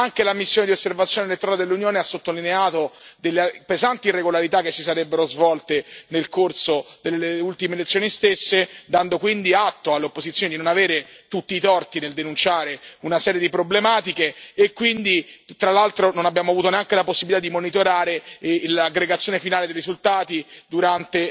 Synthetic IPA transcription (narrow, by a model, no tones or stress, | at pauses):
aŋkelamisːjoːned̪iosːervat̪sjoːnelet̪ːoɾaled̪elːunjoːneasːot̪ːolineaːt̪od̪elːepezant̪irːeɡolaɾit̪akːesːisaɾɛbːeɾozvɔlt̪enelkorsod̪elːeleult̪imelet̪sjoːnist̪esːed̪and̪okwind̪iat̪ːoalːeopːozit̪sjoːned̪inonaveːɾet̪ut̪ːiːt̪ɔrt̪ineld̪enunt͡ʃaːɾeunasɛːɾjed̪ipɾoblemaːt̪ikeːkːwind̪it̪ɾalːalt̪ɾononabjaːmoavuːt̪̬oneaŋkelaposːibilit̪ad̪imonit̪oɾaːɾelaɡɾeɡat̪sjonefinaːled̪ejɾizult̪aːt̪id̪uɾant̪e